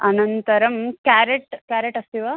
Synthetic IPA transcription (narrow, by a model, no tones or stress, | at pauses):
ɐnɐnt̪ɐɾɐmkæːɾeʈkæːɾeʈɐst̪iʋaː